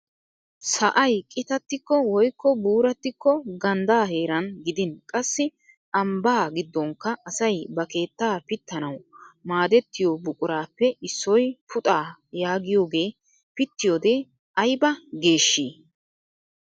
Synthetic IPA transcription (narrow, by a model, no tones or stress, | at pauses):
sɐʔɐjkʼɪt̪ɐt̪ːɪkːɔwɔjkːɔbuːɾɐt̪ːɪkːɔɡɐnd̪aːhe̞ːɾɐnɡɪd̪ɪnkʼɐsːɪ | ʔɐmbaːɡɪd̪ːɔŋkːɐːsɐjbɐke̞ːt̪ːaːpɪt̪ːɐnɐwmaːd̪ɛt̪ːɪjoːbʊkʼʊɾaːpːɛʔɪsːɔjpʰʊt̪ʼaːjaːɡɪjo̞ːɡe̞ː | pɪt̪ːɪjoːd̪eː | ʔɐjbɐɡe̞ːʃːiː